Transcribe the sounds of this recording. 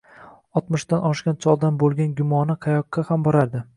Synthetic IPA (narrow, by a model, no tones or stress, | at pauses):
ɒt̪mʊʃd̪anɒʃkʲant͡ʃʰɒlˠd̪anbolˠɡʲanɡʲʊmɒnɪqʰɑjɒqːahambɒɾaɾd̪ɪ